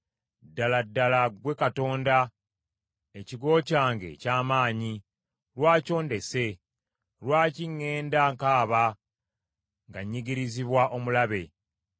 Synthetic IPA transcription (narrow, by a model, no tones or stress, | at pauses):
dːaladːalaɡwe̞kato̞ːnda | eciɡo̞ːcaːŋɡe̞̰caːmaːɲi | lwaːco̞ːnde̞se̞ | lwaːciŋːe̞ːndaŋkaːβa | ŋɡaɲːiɡiɾiziβwaʔo̞mulaβe̞